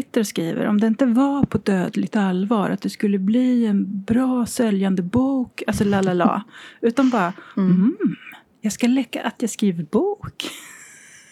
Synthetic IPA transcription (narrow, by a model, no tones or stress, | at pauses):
ɪt̪ːəɾɔskɾiːvə̰ɾʔɔ̰md̪ɛɪnt̪əvapʰɔd̪øːd̪lɪɡ̚t̪alvɑːɾat̪̚d̪ɛskɵlːəbliːɛnbɾɑːsɛljand̪əbuːkalsɔlaːlala̰ːʉ̟ːt̪anbɑːɾa | jɑːɡskalɛkːa̰ʔat̪jɑɡskɾiːvəɾbuːk